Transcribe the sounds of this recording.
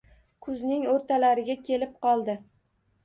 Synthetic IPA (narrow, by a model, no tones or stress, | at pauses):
kʰʊznɪŋoɾt̪ʰalaɾɪɡʲakʲʰe̞lɪp̚qʰɒlˠd̪ɪ